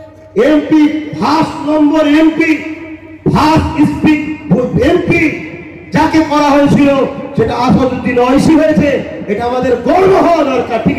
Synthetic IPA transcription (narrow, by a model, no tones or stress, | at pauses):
empibʱasnɔŋɡoɾempi | bʱasispikempi | d͡ʑakekɔɾaɦoet͡ɕʰilod͡ʑeʈaaʃod͡ʑod̪inɔjʃiɦoet͡ɕʰeeʈaamad̪eɾɡɔɽboɦɔad̪ɔɾkaɾpi